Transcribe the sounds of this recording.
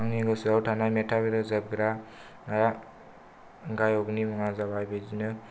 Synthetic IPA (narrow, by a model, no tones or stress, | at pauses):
aŋiɡɯsuawtʰanajmetʰabiɾɯzab̚ɡɾa | naja | ɡajɔɡnimaŋazaβajbezinɯ